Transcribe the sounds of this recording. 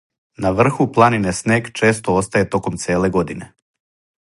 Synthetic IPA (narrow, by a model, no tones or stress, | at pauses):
naʋr̩xuplˠaninesneːɡt͡ʃe̞ːst̪oost̪aje̞t̪o̞ko̞mt̪seːle̞ɡo̞d̪ine̞